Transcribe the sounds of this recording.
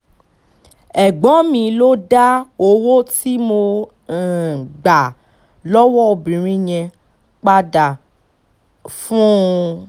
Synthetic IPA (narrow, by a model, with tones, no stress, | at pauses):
ɛ˨ɡ͡bɔ̃˨˦mĩ˧lo˦da˦o˧wo˦ti˦mo˧˨ | ɡ͡ba˨ | lɔ˦wɔ˦o˧bĩ˨ɾ̃ĩ˦ɲɛ̃˧ | k͡pa˦da˨ | fũ˦